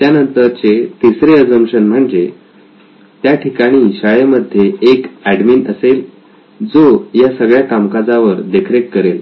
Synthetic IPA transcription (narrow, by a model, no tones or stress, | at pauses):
t̪janənt̪əɾt͡ɕet̪isɾeəd͡zəmɕənm̤əɳd͡ze | t̪jaʈʰikaɽ̃iːɕajeməd̪ʱːjeːkæɖmiːnəsel | d͡zojasəɡɭjakamkad͡zaʋəɾd̪ekʰɾekːəɾel